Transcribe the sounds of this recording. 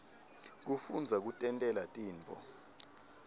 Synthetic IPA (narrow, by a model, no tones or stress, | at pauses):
k̬ufund͡zʱak̬utʼɛntʼɛlatʼiːnt͡fʰʼɔ̰